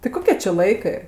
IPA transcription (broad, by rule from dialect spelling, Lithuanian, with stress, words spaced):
tʲɪ ˈkoːkʲɛ t͡ʃʲɪ ˈlˠɐɪkɜ